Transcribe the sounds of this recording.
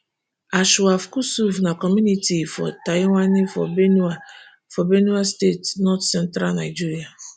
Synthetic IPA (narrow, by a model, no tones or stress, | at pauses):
aʃʊwafkusuvnakɔmunitifɔ̰tajwʷanifɔbena | fɔbenuastetnɔtsɛn̩tɾanaɪd͡ʒiɾia